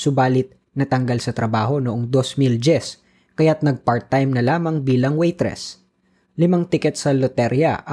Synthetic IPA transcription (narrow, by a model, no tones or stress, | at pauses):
sʊbaːlɪt̪̚ | nɐt̪ɐŋɡɐlsɐt̪ɾɐbaːɦo̞noʔoŋd̪o̞smild͡ʒɛs | kɐjat̪̚nɐɡ̚paɹt̪ːajmnɐlaːmɐŋbiːlɐŋwɛjt̪ɾɛ̰s | lɪmaŋt̪ɪkɛt̪sɐlot̪ɛɾjɐ̰ʔ